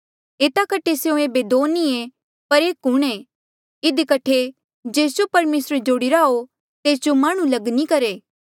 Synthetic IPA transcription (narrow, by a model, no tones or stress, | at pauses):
eːt̪akɐʈʰeseõeːbed̪oːnːie | pɐɾeːkɦʊɽ̃ẽ | ɪd̪ikɐʈʰe | d͡ʒeːsd͡ʒopɐɾmeːsɾed͡ʒoːɽiɾaɦo | t̪eːsd͡ʒomaːɽ̃ũlɐɡnikɐɾeː